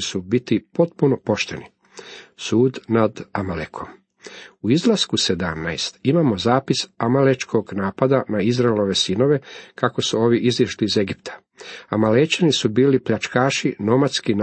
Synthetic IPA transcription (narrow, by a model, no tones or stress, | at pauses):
subit̪ipo̞t̪̚puno̞po̞ʃt̪e̞̰ni | suːd̪nad̪amalekʰo̞m | uizlˠaskuse̞d̪amnaest̪imaːmo̞zaːpisamalet͡ʃkʰo̞ɡnaːpad̪anaizɾaelo̞ʋe̞sino̞ʋe̞kako̞suo̞ːʋiʔizʋiʃliize̞ɡipt̪ʰḁ | amalet͡ɕanisubiːlipʎat͡ʃkaːʃino̞mat̪skin